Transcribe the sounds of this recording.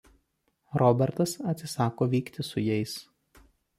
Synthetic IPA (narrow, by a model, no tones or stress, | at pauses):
ɾɔbʲɛɾt̪ɐsɐt̪ʲsʲɪsɑːkoːʋʲiːkt̪ʲɪsʊjɛɪs